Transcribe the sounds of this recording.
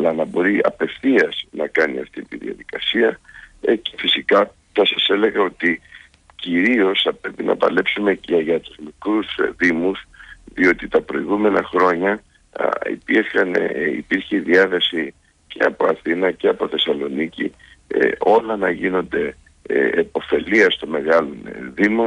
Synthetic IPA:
ɐlɐnɐbo̞ɾiɐ̰pe̞fθiɐz̥nɐkɐnḭɐ̰ft̪it̪iðiɐ̰ðikɐsiɐce̥fisikɐ | θɐsɐse̞le̞ɣɐo̞t̪i | ciɾio̞sθɐpɾe̞pinɐ̰pɐ̰le̞psume̞ceʝɐt̪uzmikɾusðimusðio̞t̪it̪ɐpɾo̞iɣume̞nɐxɾo̞ɲɐ | ḭpiɾçɐnḭpiɾçeðiɐθe̞si | ce̞̰ɐ̰po̞ɐθinɐce̞ɐpo̞θe̞sɐlo̞nicḭ | o̞lɐnɐʝino̞nd̪e̞ | epo̞fe̞liɐst̪o̞me̞ɣɐlo̞nðimo

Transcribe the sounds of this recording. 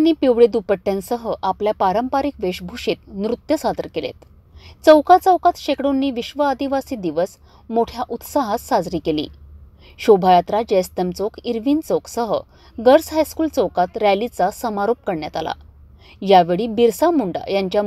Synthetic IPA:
nːiːpeʋɭed̪upəʈːjãnsəɦəʔapljapaɾəmpaɾikʋeɕbʱuʂiːt̪nɾut̪jəsad̪əɾkelḛt̪ | t͡səwkat͡səwkat̪ɕekɽonːiːʋiɕʋəəd̪iʋasiːd̪iʋəs | moʈʰjaʔut̪saɦasːad͡zɾiːkelḭː | ɕobʱajat̪ɾad͡ʑest̪əmt͡sokiɾʋiːnt͡soksəɦə̰ | ɡəɾsɦajskuːlt͡səwkat̪ɾælit͡sasəmaɾop̚kəɾɳjat̪a̰la̰ | jaʋeɭiːbiɾsamuɳɖa̰jaɲt͡ɕja

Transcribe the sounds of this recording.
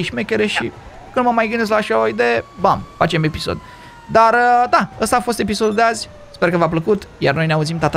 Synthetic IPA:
iʃmekʲeɾeʃḭ | kɨnməmajɡɨnd̪es̬klaːʃaoid̪e̞jebafat͡ʃeme̞piso̰d̪ | d̪aɾəd̪aəst̪aːfo̞st̪e̞p̬iso̞d̪ud̪eazʲ | spe̞rkəvap̬ləkut̪jarno̞jneauzimt̪at̪

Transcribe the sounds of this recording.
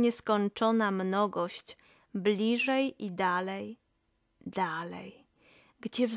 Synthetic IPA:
ɲɛskɔnt͡ʂɔnamnɔɡɔɕt͡ɕ | blʲiʐɛjid̪alɛj | d̪̥alɛ̰j | ɡd͡ʑɛv

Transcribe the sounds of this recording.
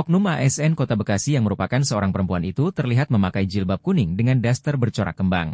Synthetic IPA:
ɔk̚numaʔɛsɛnkot̪abəkasijaŋməɾupakansəoɾaŋpəɾəmpuanit̪ut̪ərliɦat̪̚məmakajd͡ʒilbap̚kunɪŋdəŋandast̪ərbərt͡ʃoɾa̰kəmba̰ŋ

